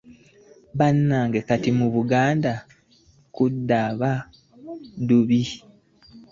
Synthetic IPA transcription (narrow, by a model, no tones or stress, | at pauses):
βanːaːŋɡekatimuβuɡaːnda | kudːaβa | duβi